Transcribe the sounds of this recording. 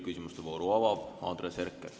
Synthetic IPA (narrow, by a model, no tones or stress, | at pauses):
kysʲimust̪evoːɾuɑvɑvɑːnd̪reserkːˑel